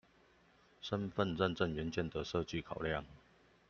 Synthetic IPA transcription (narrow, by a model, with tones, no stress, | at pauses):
ʂə˦˥nfə˥˨nʈ͡ʂə˥˨nʈ͡ʂə˥˩ŋɥɛ˨˧˥nt͡ɕjɛ˥˨nd̪ə˨ʂɤ˥˧t͡ɕy˥˩kʰɑ˨˩ʊljɑ˥˨ŋ